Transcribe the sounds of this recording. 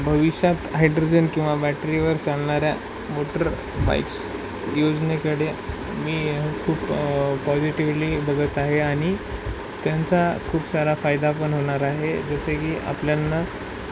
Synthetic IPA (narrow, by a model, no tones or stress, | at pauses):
bʱəʋiɕjat̪ɦajɖɾod͡ʑənkĩw̃ʋabæʈɾiʋəɾt͡salɳaɾja | moʈəɾ | ba̰jks | jod͡znekəɽe | miːkʰuːppɔd͡ziʈiʋliːbəɡət̪aɦeaɽ̃i | t̪jant͡sakʰuːpsaɾafajd̪apəɳɦoɽ̃aɾaɦed͡zəsekiːʔa̰pljanːa